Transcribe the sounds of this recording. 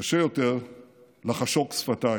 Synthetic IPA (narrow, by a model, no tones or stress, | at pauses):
aʃejo̞t̪eʁ | laχaʃoksfat̪a